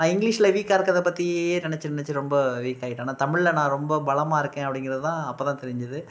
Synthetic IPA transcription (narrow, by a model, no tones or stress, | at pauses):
nãːɪŋɡɭiːʂɪlɐʋiːkːaːɪɾɯkːɐðɛpːɐt̪ːieːnɪɳɛt͡ʃːɯnɪnɛt͡ʃːɯɾɔmbɐʋiːkːaːjɪʈːnːaːt̪ɐmɪɭɪlɐnãːɾɔmbɐbɐɭɐmaːɪɾɯkːẽːɐpːɐɽɪŋɡɪɾɐðɯt̪ãːɐpːoːt̪ãːt̪ɛɾɪɲd͡ʒɐðɯ